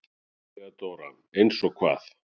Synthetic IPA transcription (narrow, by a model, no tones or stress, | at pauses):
at̪oːɾa | ejnsɔɣkʰva̰ːθ